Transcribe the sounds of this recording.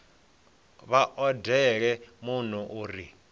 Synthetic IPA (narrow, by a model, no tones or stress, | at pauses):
βaʔɔdɛɺ̬ɛmun̤uʔuːri